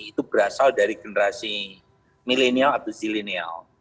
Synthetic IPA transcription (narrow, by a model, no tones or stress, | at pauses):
it̪ubəɾasaldaɾiɡenəɾasi | milenialat̪awsilinia̰l